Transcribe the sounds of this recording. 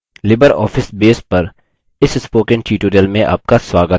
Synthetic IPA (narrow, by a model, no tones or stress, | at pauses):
lɪbəɾɔ̰ːfʰɪsbeːspɐɾ | ɪsɪspoːkə̃nʈiːʈoːɾijəlmẽʔa̰ːp̚kaswaːɡə